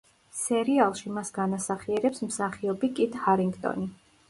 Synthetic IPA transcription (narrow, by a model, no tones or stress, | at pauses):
sɛɾialˠʃimasɡanasaχiɛɾɛpsmsaχiɔbikʼit̪ʰʼhaɾiŋɡt̪ʼɔ̰ni